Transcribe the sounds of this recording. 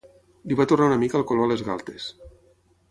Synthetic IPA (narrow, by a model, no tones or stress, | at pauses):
liβat̪urnaunəmikalˠkoloalezɣa̰lˠt̪es